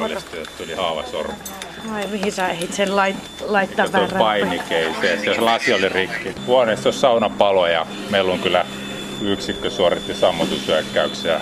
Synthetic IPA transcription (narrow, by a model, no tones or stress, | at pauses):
olist̪ujet̪t̪ulihɑːʋɑ̰so̰rʋu | oimihisæehit̪senlɑit | lɑit̪ːɑtʋorpɑinikeiseseselɑsiolirikːihuɑnest̪osʲsɑunɑpɑlojɑ̰ | meilːoŋkylːˑæ | yksikːøsuoret̪ːisɑmːot̪usyækːæykseɑ